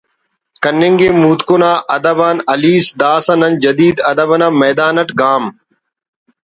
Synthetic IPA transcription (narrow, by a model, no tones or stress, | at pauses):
kɐnːɪŋɡeːmuːt̪konaːʔɐd̪ɐbaːnɐliːsd̪aːsɐnɐnd͡ʒɐd̪iːd̪ɐd̪əbɐnãːmɐːd̪aːnəʈɡaːm